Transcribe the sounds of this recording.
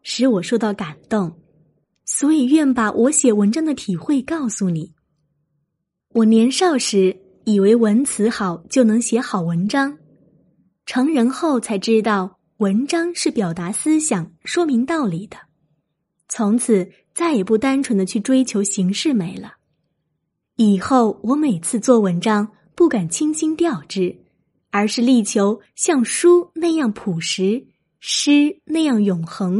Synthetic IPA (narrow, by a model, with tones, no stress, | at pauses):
ʂɻ̩˧˥wɔ˨˩ʂo˥ʊt̪ɑ˥˩ʊka˨˩nt̪ʊ˥˩ŋ | swɔ˧˥i˨˩ɥɛ˥˩npa˨˩wʔɔ˧˥ɕjɛ˨˩wə˧˥nʈ͡ʂɑ˥ŋd̪ə˨t̪ʰi˨˩xwe˥˧ɪkɑ˥˩ʊsu˨˩ni˨˩˦ | wɔ˨˩njɛ˧˥nʂɑ˥˩ʊʂɻ̩˧˥ | i˨˩we˧˥ɪwə˧˥nt͡sʰɹ̩˧˥xɑ˨˩˦ʊt͡ɕjo˥˩ʊnɤ˧˥ŋɕjɛ˧˥xɑ˨˩ʊwə˧˥nʈ͡ʂɑ˥ŋ | ʈ͡ʂʰɤ˧˥ŋɻə˧˥nxo˥˩ʊt͡sʰa˧˥ɪʈ͡ʂɻ̩˥t̪ɑ˥˩ʊ | wə˧˥nʈ͡ʂɑ˥ŋʂɻ̩˥˩pjɑ˨˩ʊt̪a˧˥sɹ̩˥ɕjɑ˨˩˦ŋʂwɔ˥mi˧˥ŋt̪ɑ˥˩ʊli˨˩d̪ə˦ | t͡sʰʊ˧˥ŋt͡sʰɹ̩˨˩˦ | t͡sa˥˩ɪjɛ˨˩pu˥˩t̪a˥nʈ͡ʂʰwə˧˥nd̪ə˧t͡ɕʰy˥˩ʈ͡ʂwe˥ɪt͡ɕʰjo˧˥ʊɕi˧˥ŋʂɻ̩˥˩me˨˩ɪlə˦ | i˨˩xo˥˩ʊwɔ˧˥me˨˩ɪt͡sʰɹ̩˥˧t͡swɔ˥˩wə˧˥nʈ͡ʂɑ˥ŋ | pu˥˩ka˨˩nt͡ɕʰi˥ŋɕi˥ŋt̪jɑ˥˧ʊʈ͡ʂɻ̩˥˩ | ə˞˧˥ʂɻ̩˥˧li˥˩t͡ɕʰjo˧˥ʊ | ɕjɑ˥˩ŋʂu˥na˥˧ɪjɑ˥˩ŋpʰu˨˩ʂɻ̩˧˥ | ʂɻ̩˥na˥˧ɪjɑ˥˩ŋjʊ˨˩ŋxɤ˧˥ŋ